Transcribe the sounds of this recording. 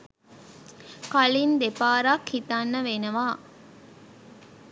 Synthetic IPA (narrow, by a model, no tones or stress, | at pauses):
kalind̪epaːɾakhit̪anːəʋenəʋaː